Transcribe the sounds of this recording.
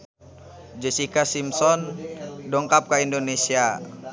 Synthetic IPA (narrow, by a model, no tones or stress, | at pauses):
d͡ʒɛsikasimsɔndɔŋkap̚kaindonesia